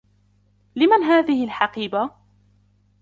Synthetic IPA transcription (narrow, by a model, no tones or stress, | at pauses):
lɪmanɦaːðɪhɪlħɑqiːba